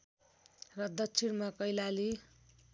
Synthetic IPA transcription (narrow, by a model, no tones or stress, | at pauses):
rʌd̪ʌt͡sʰiɾmakʌjlali